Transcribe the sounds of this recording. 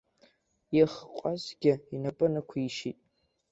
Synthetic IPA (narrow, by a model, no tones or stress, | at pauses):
jiχqʷʼazɡʲɪinapʼɨnɨkʷʰiʃitʼ